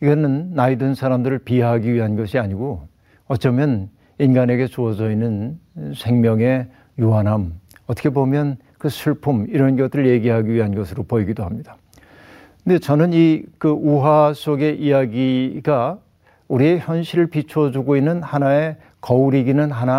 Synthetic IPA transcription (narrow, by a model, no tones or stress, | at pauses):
iɡʌnɯnːaidɯnsʰaɾamdɯɾɯɭpieɦaɡiɥiɦanɡʌɕʰiaɲiɡo | ʌt͡ɕ͈ʌmjʌn | inɡane̞ɡe̞t͡ɕuʌd͡ʑʌinːɯnsʰe̞ŋmjʌŋe̞ | juɦanɦamʌt͈ʰʌkʰebomjʌn | kɯsʰuɭpʰumiɾʌnɡʌt͈ɯɾɯɭje̞ɡiɦaɡiɥiɦanɡʌsʰɯɾopoiɡidoɦamɲida | ne̞t͡ɕʌnɯnikɯuɦwas͈oɡe̞ʔijaɡiɡa | uɾieçjʌnɕʰiɾɯɭpit͡ɕʰuʌd͡ʑuɡoinːɯnhanae̞ | kʌuɾiɡinɯnɦana